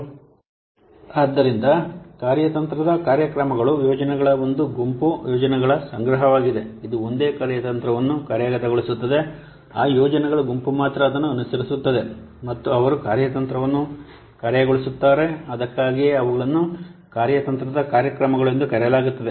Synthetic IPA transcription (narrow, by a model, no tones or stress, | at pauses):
aːd̪ːɐɾind̪ɐkaːɾjɐt̪ɐnt̪ɾɐd̪ɐkaːɾjɐkɾɐmɐɡɐɭujɔːd͡ʒɐnɛɡɐɭɐo̞nd̪uɡumpujɔːd͡ʒɐnɛɡɐɭɐsɐŋɡɾɐɦɐʋaːɡid̪e̞id̪uo̞nd̪e̞ːkaːɾjɐt̪ɐnt̪ɾɐʋɐnːukɐːɾjaːɡɐt̪ɐɡoɭisut̪ːɐd̪e̞ | aːjɔːd͡ʒɐnɛɡɐɭuɡumpumaːt̪ɾɐːd̪ɐnːuɐnusɐɾisut̪ːɐd̪e̞ | mɐt̪ːuɐʋɐɾukaːɾjɐt̪ɐnt̪ɾɐʋɐnːu | kaːɾjɐɡoɭisut̪ːaːɾe̞ɐd̪ɐkːaːɡijeɐʋɐɡɐɭɐnːukaːɾjɐt̪ɐnt̪ɾɐd̪ɐkaːɾjɐkɾɐmɐɡɐɭend̪ukɐɾɛjɐlaːɡut̪ːɐd̪e̞